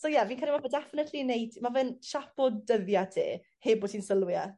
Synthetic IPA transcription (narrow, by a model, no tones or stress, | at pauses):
sojaviːnkaːlimavədɛfɪnɛtʰlinejdmavɨnʃapɔdəðjadʰḛː | heːboːtʰinsəlˠwja